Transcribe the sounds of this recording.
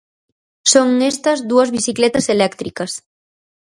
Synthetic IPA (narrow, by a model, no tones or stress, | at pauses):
soŋest̪ɐzd̪uɐzβisiklɛt̪ɐselɛkt̪ɾikɐs